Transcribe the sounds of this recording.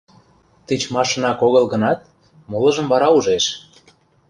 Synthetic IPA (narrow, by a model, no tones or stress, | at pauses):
t̪it͡ɕmɑʃə̆nɑkoɣə̆lɣə̆nɑt̪̚ | molɤ̆ʒə̆mβɑɾɑuʒeʃ